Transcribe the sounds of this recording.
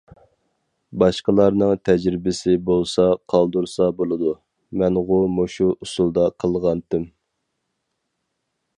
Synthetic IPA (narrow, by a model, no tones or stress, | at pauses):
bɑʃqəlˠɑɾnɨŋt̪ʰɛd͡ʒɾɪbɪsɪbolˠsɑqʰɑlˠd̪uɾsɑbolˠɨd̪u | mɛnʁʊmoʃuusulˠd̪ɑqʰəlˠʁɑnt̪ɪm